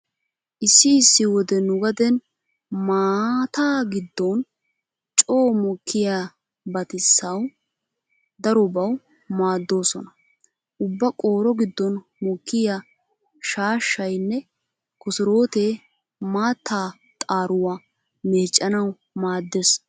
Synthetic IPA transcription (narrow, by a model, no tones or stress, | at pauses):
ʔɪsːɪːsːɪwɔd̪ɛnʊɡɐd̪ɛn | maːt̪aːɡɪd̪ːɔn | t͡ʃʼoːmɔkːɪja | bɐt̪ɪsːɐw | d̪ɐɾɔbɐw | maːd̪ːo̞ːsɔnɐ | ʔʊbːɐkʼoːɾɔɡɪd̪ːɔn | mɔkːɪja | ʃaːʃːɐjnːɛ | kɔsɪɾo̞ːt̪eː | maːt̪ːaː | t̪ʼaːɾʊwa | meːt͡ʃʼːɐnɐw | maːd̪ːes